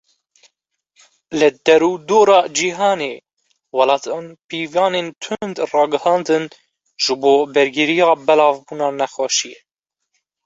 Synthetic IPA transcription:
lɨd̪ɛɾuːd̪oːɾɑːd͡ʒiɦɑːneː | wɑlɑːt̪ʰɑːnpiːvɑːneːnt̪ʰʊnd̪rɑːɡɨhɑːnd̪ɨn | ʒɨboːbɛɾɡɪɾijɑːbɛlɑːvbuːnɑːnɛxɑːʃije

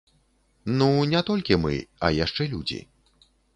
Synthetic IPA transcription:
nunʲɛt̪ɔlʲkʲimɨ̰ɐ̰jaʂt͡ʂɛlʲud͡zʲḭ

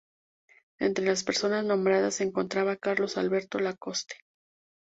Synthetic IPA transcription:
e̞̰nt̪ɾe̞laspe̞ɾso̞naznõ̞mbɾaðaseŋko̞nt̪ɾaβakaɾlo̞salβe̞ɾt̪o̞lako̞st̪e̥

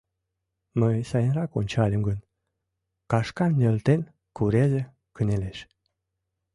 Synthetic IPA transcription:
məjsɑjənrɑkonʲt͡ɕɑlʲemɡən | kɑʃkɑnːʲelt̪en | kuɾeze | kəneleʃ

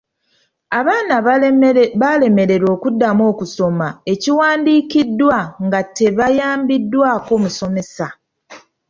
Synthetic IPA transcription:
aβaːna | βale̞me̞ɾe̞ɾo̞ːkudːamo̞ːkuso̞mae̞ciwaːndiːkidːwaŋɡatːe̞βajaːmbidːwaːko̞ːmuso̞me̞sa

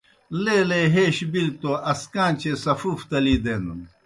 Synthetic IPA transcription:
leːleɦeːɕbil̚t̪oɐskaːnt͡ɕʰesɐfuːft̪ɐliːd̪eːnun

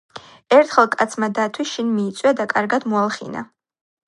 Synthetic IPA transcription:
ɛɾt̪ʰχɛlˠkʼat̪sʰmad̪at̪ʰwiʃinmiːt̪sʼwjad̪akʼaɾɡad̪mualˠχḭna̰

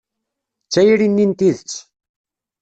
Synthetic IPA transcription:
t͡sːæjɾinːint̪iðt͡sː

